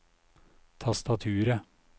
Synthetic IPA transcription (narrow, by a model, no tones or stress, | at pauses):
t̪ʰɑst̪ɑt̪ʰʉːɾə